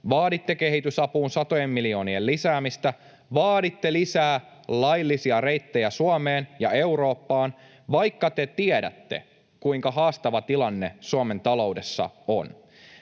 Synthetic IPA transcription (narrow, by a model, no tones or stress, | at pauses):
ʋɑːdit̪ːe̞ke̞ɦit̪ysɑpuːnsɑt̪ojemːilio̞ːnielːisæːmist̪æ | ʋɑːdit̪ːe̞lisæː | lɑjlːisiɑɾejt̪ːejæsuɑmeːnjɑe̞uɾo̞ːpːɑːn | ʋɑjkːɑt̪e̞t̪iedæ̰t̪ːe̞̰ | kuiŋkɑɦɑːst̪ɑʋɑt̪ilɑnːe̞suɑme̞nt̪ɑlo̞uwde̞sːɑ̰o̰n